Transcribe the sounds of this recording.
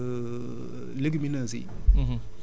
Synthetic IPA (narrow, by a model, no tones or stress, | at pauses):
leɡiminazḭ